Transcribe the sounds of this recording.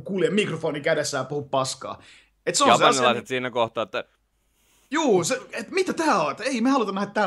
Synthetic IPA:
kuljemmikrofoːnikædesːæːpuhuppɑskɑ̰ː | et̪seõɑseɑnɑllɑˑiset̪siːnækoht̪ɑːet̪ːæ | juːseet̪mit̪æt̪æːoet̪eimeɑlut̪ɑnæhæt̪t̪æ

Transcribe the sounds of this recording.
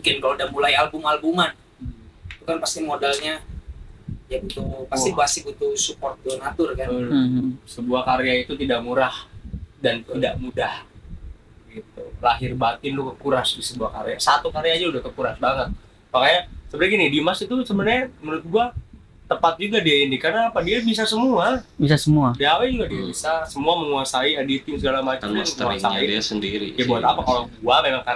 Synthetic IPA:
mukɪnkalodamulajalbʊmalbuŋan | it̪ukanpast̪imodalɲa | jabut̪upasiasibut̪usupɔrt̪̚ːunat̪ʊrkanlsəbuahkaɾeait̪ut̪idaʔmuɾahdant̪idaʔmudah | ɡit̪ṵlaɦɪrbat̪ɪnlʊkəkuɾasdisəbuahka̰ɾḛa̰sat̪ukaɾead͡ʒaudahkəkuɾasbaŋət̪̚ | pakajasəbəɾaɡinɪdimasit̪usəbənaɲamənʊt̪̚ɡua | t̪əpat̪̚d͡ʒuɡadiaɪndikarnaːpadiabis̬asəmuabisasəmuadiawad͡ʒuɡadiabisasəmuaməŋuasaiadit̪ɪmsəɡalamat͡ʃsasa̰idiasəndiɾḭjabuat̪apakaloɡuamemaŋka

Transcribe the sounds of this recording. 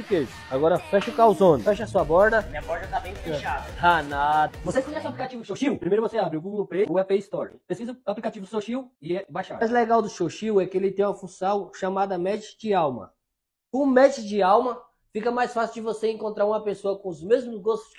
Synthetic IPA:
eɾkez | aɡɔɾɐfɛʃʊkawzõnʊfɛʃɐsuɐbɔɾd̪ɐmĩɲɐbɔɾd̪ɐt̪abẽj̃fɐ̃ʃad̪ɐhanad̪ɐvosekizɛsaplikat͡ʃivʊʃowʃiwpɾimejɾʊvoseabɾiʊɡuɡelpɾeʊɛpest̪ɔɾipɾeskʲizɐaplikat͡ʃivʊsoʃiwɪɛbajʃaajzleɡawd̪ʊʃoʃiwɛkɪelɪt̪ẽj̃ũmɐfũsɐ̃w̃ʃamad̪ɐmɛd͡ʒt͡ʃd͡ʒɪawmɐ̰ | ʊmɛd͡ʒd͡ʒɪawmɐ | fikɐmajsfasid͡ʒɪvoseẽŋkõnt̪ɾaɾũmɐpesoɐkõʊzmezmʊzɡost̪ʊ̥s

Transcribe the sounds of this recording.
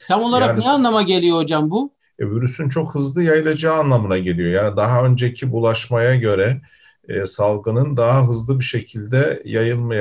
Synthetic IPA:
t̪ʰamo̞lˠaɾakːnanlˠamaɟe̞lʲijo̞ɦo̞d͡ʒambʊ | ɛbyɾysynt͡ʃʰo̞khɯzlˠɯjajɯlˠad͡ʒaːnlˠamɯnaɟe̞lʲijo̞jaːnid̪aɦaø̞nd͡ʒecʰibulˠaʃmajaɟø̞ɾɛ | salˠɡɯnɯnd̪aɦaɦɯzlˠɯbiʃe̞cʰilʲd̪ɛjajɯlˠmaja

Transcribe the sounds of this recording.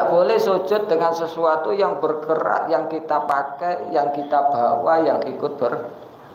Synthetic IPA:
ʔb̥olɛhso̥ʒ̥ʊt̪̚d̪əŋansəsuat̪ujaŋbərkəɾa̰t̪jaŋkit̪apakajjaŋkit̪ab̥awajaŋikʊt̪̚b̥ər

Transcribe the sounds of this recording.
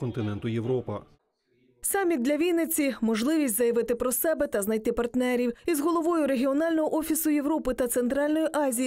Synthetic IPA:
kɔnt̪ɪnɛnt̪ʊjeʋɾɔpɐ̰ | sɑmʲːit̪d̪lʲɐʋʲilʲnet͡sʲːimɔʒlˠɪʋʲisʲtʲzɐjɐʋɪt̪ɪpɾɔsɛbɛt̪ɐznɐjt̪ɪpɐrt̪nɛɾʲiwizɦɔlˠɔʋɔjʊɾe̞ɦʲiɔnɑlʲnɔɦɔʔɔfʲisʊje̞ʋɾɔpɪt̪ɐt̪se̞nt̪ɾɑlʲnɔjiʔɑzʲij

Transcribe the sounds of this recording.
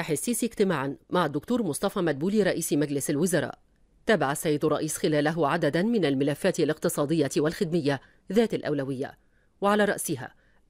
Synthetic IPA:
ʔaħɪsːiːsʔɪkt̪ɪmaːʕanmaʕad̪ːʊkt̪uːɾmʊsˤt̪ɑfɑːmad̪̚buːliːɾˤɑʔiːsmad͡ʒlɪsalwʊzɑɾˤɑ̰ːʔ | t̪aːbaʕasːajːɪd̪ʊrˤːɑ̰ʔiːsxɪlaːlaɦʊʕad̪ad̪anmɪnalmɪlafːaːt̪ɪlɪq̚t̪ɨsˤɑːd̪ɪjːat̪walxɪd̪mɪjːa | ðaːt̪alʔawlawɪjːa̰ | waʕalaːɾˤɑ̰ʔsɪɦa̰ː

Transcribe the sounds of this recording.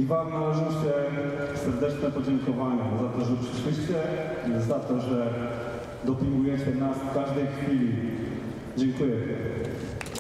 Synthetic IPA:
ivamnalɛʐɨwt͡ɕɛsɛɾd̪ɛt͡ʂnɛpɔd͡ʑɛŋkɔvaɲɛzat̪ɔʐɛpʂɘ̥ʂwɘɕt͡ɕɛ | zat̪ɔʐɛ | d̪ɔpʲiŋɡujɛt͡ɕɛnasfkaʐd̪ɛjxfʲilʲi | d͡ʑɛŋkujɛ

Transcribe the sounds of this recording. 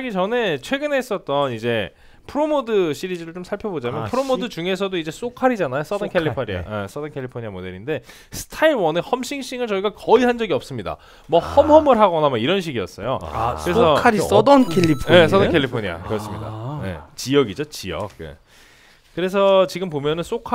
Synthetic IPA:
aɡit͡ɕʌnet͡ɕʰwe̞ɡɯne̞s͈ʌt̚t͈ʌnid͡ʑe̞ | pʰɯɾomodɯɕ͈ʰiɾid͡ʑiɾɯɭt͡ɕomsʰaɭpʰjʌbod͡ʑamjʌnpʰɯɾomodɯd͡ʑuŋe̞s̬ʰʌdoid͡ʑe̞s͈okʰaɾid͡ʑanajos͈ʌdʌnkʰeʎːipʰoɾia̰es͈ʌdʌnkʰeʎːipʰoɲiamode̞ɾinde̞ | sʰɯ̥tʰaiɭwʌnehʌmɕ͈ʰiŋɕ͈iŋɯɭt͡ɕʌiɡakʌihand͡ʑʌɡiʌp̚s͈ɯmɲida̰ | mʌhʌmɦʌmɯɭɦaɡʌnamʌiɾʌnɕ̬ʰiɡiʌs͈ʌjokɯɾesʰʌkʰɾsdʌnkʰeʎːipʰes̬ʌdʌkʰeʎːipʰoɲia̰kɯɾʌs͈ɯmɲida̰nḛt͡ɕijʌɡid͡ʑot͡ɕijʌ̰k̚jḛ | kɯɾe̞sʰʌt͡ɕiɡɯmpomjʌnɯns͈okʰ

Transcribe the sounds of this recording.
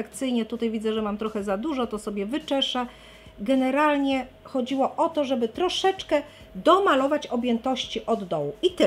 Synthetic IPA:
ɛkt̪sɘjɲɛt̪ut̪ajvʲid̪zɛʐɛmamt̪ɾɔxɛzad̪uʐɔt̪ɔsɔbʲjɛvɘt͡ʂɛʂa | ɡɛnɛɾalɲɛ | xɔd͡ʑiwɔʔɔt̪ɔʐɛbɘt̪ɾɔʂɛt͡ʂkɛ | d̪ɔmalɔvat͡ɕɔbʲjɛnt̪ɔɕt͡ɕiʔɔd̪ːɔwuit̪ɘ

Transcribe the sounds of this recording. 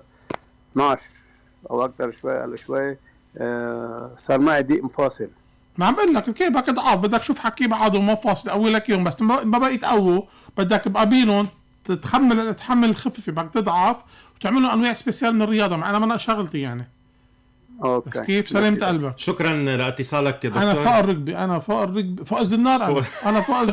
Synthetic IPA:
t̪naʃ | ʔa̰wʔak̚t̪ɑɾˤʃwa̰jːʔa̰laʃwajː | sˤɑːɾˤmaʕɪd̪iːʔmfɑːsˤɨl | maʕmbʔʊlːakkiːfbak̪ɨd̪ˤʕɑfbɪd̪ːak̪̚ʃuːfħakːiːbaʕad̪ʊmafɑːsˤlʔawilakjoːmbasːʔmʔmːabaʔiːt̪ʔawːu | b̥ɪd̪ːakbʔabiːlʊn | t̪xamːalt̪ħamːalɪlxɪffibak̚t̪ɨd̪ˤʕɑf | wt̪ɪʕmɪlʊnʔanwaːʕɪsbesjaːlmɪnɪrːɪjɑːd̪ˤɑmaʕʔanamanːaʔʃaɣlt̪ijaʕni | okbakeːfsaliːmt̪ʔalbaʃʊkɾˤɑnlɑʔɪt̪ːɪsˤɑːlakdʔ̪anafaːʔɾˤːɑɡ̚biʔanafaːʔrːɑɡ̚bifoːʔɪzɪnːɑːɾˤʔaʔanafoːʔz

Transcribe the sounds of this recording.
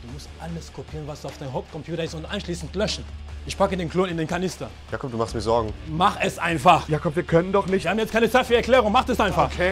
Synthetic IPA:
d̥uːmʊstʔaləskʰopʰiːʁənvasaʊfd̥aɪnɦop̚kʰɔmpʰjuːtɐɪstʊntʔaɪnʃliːsn̩tlœʃn̩ʔɪçpʰakədeːnkʰl̥oːnɪndeːnkʰanɪstɐ | jaːkʰɔmdumaχstmiːzɔɐɡŋ̩maχɛsʔaɪnfaχjaːkʰɔmviːɐkʰœnəndɔχnɪçhaːbm̩jɛt͡stkaɪnət͡saɪtfyːɐɛɐkl̥ɛːʁʊŋmaχɛsʔaɪnfaχkʰe

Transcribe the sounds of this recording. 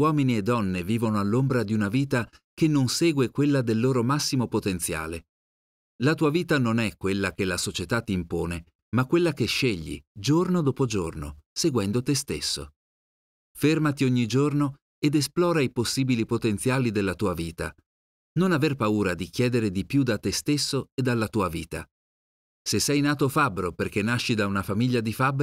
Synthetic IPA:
wɔːminied̪ːɔnːeviːvonoalːombɾad̪iunaviːt̪akenːonsɛːɡwekwelːad̪elːoːɾomasːimopot̪ent̪sja̰ːle | lat̪uːaviːt̪anonɛkːwelːak̟elasot͡ʃet̪at̪ːiːmpoːne | makːwelːakeʃːeʎːḭd͡ʒornod̪oːpod͡ʒorno̰seɡwɛnd̪ot̪est̪ḛsːo̰ | fermat̪ioɲːid͡ʒorno | ed̪esplɔːɾaiposːiːbilipot̪ent̪sjaːlid̪elːat̪uːaviːt̪a̰ | nonaverpauːɾad̪ik̟jɛːd̪eɾed̪ipjud̪at̪ːest̪esːoed̪ːalːat̪uːaviːt̪a̰ | sesːɛjnaːt̪ofabːɾoperk̟enːaʃːid̪aunafamiʎːad̪ifabː

